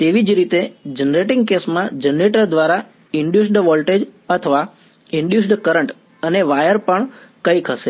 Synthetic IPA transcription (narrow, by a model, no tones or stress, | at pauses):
t̪eʋid͡ʒɾit̪ed͡ʒənɾeʈɪ̃ŋɡ̚kesmãd͡ʒənɾeʈəɾd̪ʋaɾa | iɳɖjus̬ɖʋɔlʈed͡ʒət̪ʰəʋa | iɳɖjus̬ɖkəɾəɳʈ | əneʋajəɾpəɳkəjkʰəʃe